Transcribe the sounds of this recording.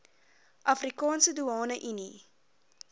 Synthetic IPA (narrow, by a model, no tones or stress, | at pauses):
ʔɐfrikɑːnsəduɑːnəʔyni